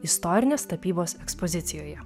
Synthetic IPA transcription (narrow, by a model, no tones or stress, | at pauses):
ɪst̪ɔɾʲɪnʲeːst̪ɐpʲiːboːsɛkspɔzʲɪt̪sʲɪjoːjɛ